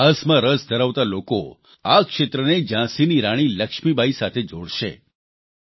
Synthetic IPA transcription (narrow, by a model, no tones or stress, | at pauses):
əsmãɾəsd̪ʱəɾaʋt̪aloko | akʃet̪ɾəned͡ʒãsiniɾaɽ̃iləkʃmibʱaisat̪ʰed͡ʒoɽʃḛ